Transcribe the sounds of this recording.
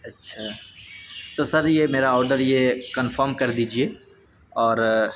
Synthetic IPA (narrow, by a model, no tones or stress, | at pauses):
ɐtːʃʰaː | t̪osɐɾjemeːɾaɔːɾɖəɾjekənfəːɾmkɐɾd̪iːd͡ʒieː | ɔːɾ